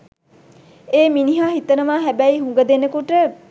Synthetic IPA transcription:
eːminiɦaːɦit̪ənəʋaːɦæbæiɦuŋɡəd̪enəkuʈə

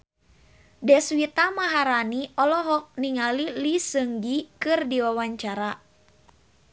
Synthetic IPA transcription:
dɛswit̪amaɦaɾaniɔlɔɦɔk̚niŋalilisəŋɡikɨrdiwawaɲt͡ʃaɾa

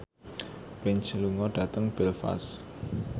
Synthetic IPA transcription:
pɾɪnt͡ʃluŋɔɖ̥ä̤t̪əŋb̥ɛlfa̰s

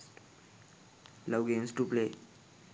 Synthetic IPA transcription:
lawɡẽnsʈuple

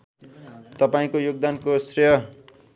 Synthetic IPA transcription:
t̪ʌpaĩkojoɡ̚d̪ankosrʌjʌ

